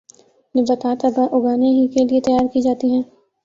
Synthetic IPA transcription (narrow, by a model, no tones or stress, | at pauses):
nɪbɐt̪aːt̪ɐɡaʔʊɡaːneɦikeliet̪ɐjaːɾkid͡ʒaːt̪iɦɛ̃ː